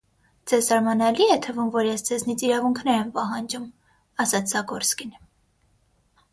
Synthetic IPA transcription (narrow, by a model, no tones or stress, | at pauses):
d͡zɛzsɑɾmɑnɛliɛt̪ʰəvumvɔɾjɛsd͡zɛznit͡sʰiɾɑvuŋkʰnɛɾɛmpɑɦɑnd͡ʒum | ɑsɑt͡sʰzɑɡɔɾskin